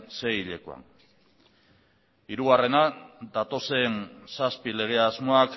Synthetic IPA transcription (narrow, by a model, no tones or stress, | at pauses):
se̞jiʎe̞koa̰n | iɾuɣare̞nad̪at̪o̞se̞nsaspile̞ɣ̞e̞azmo̞ak